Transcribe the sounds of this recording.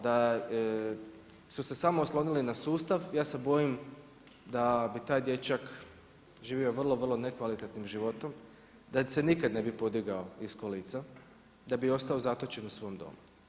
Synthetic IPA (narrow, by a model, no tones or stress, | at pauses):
d̪a | suse̞samoːslˠo̞nilinasuːst̪aʋjaːse̞bo̞jim | d̪abit̪aːjd̪je̞t͡ʃak | ʒiːʋio̞ʋr̩lˠo̞ʋər̩lˠo̞ne̞kʋalit̪et̪nimʒiʋo̞t̪o̞m | d̪ase̞nikad̪ne̞bipo̞d̪iɡao̞iskoliːt̪sa | d̪abio̞st̪ao̞zat̪o̞t͡ʃe̞nusʋo̞ːmd̪o̞̰ːmu